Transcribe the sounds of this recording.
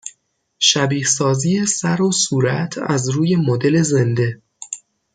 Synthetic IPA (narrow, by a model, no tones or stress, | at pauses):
ʃæbiːhsɒːziːesæɾosuːɾæt̪ʰæ̰zɾuːje̞mod̪e̞le̞ze̞nd̪e̞